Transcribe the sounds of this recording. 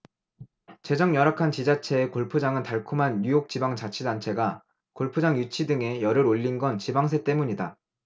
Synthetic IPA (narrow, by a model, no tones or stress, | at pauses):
t͡ɕe̞d͡ʑʌŋjʌɾakʰant͡ɕid͡ʑat͡ɕʰe̞ːkoɭpʰud͡ʑaŋɯntaɭkʰumɦanːujok̚t͡ɕibaŋt͡ɕat͡ɕʰidant͡ɕʰe̞ɡa | koɭpʰud͡ʑaŋjut͡ɕʰidɯŋe̞jʌɾɯɾoʎːinɡʌnt͡ɕibaŋs̬ʰe̞t͈e̞muɲida